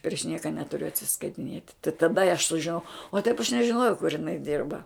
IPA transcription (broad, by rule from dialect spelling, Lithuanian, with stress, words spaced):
pʲrʲɪʃ ˈnʲiɛkɐ ˈnʲæːtʊrʲʊ ɐtʲsʲɪskɐɪtʲɪˈnʲiɛtʲ tɐɪ tɐˈdɐ ɪ ɐʃ sʊʒʲɪˈnɐʊ oː tɐɪp ɐʃ nʲɛʒʲɪˈnoːjɛʊ kʊr ɪˈnɐɪ ˈdʲɪrbɐ